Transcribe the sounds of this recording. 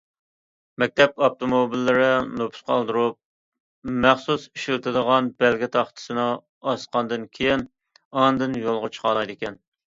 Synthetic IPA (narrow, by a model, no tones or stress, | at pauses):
mɛk̚ʲt̪ʰɛp̚ɑp̚t̪omobilːɪɾɪnopʰʊ̥sqɑlˠd̪ɨɾup̚ | mæχsusi̥ʃilt̪ʰɨd̪əʁɑnbɛlɡʲɪt̪ʰɑχt̪ʰɨ̥sɨnɨ | ɑsqɑnd̪ɨnkʲʰejin | ɑnd̪ɨnjolˠʁɑt͡ʃʰə̥qɑlˠɑjd̪ɪkʲɛn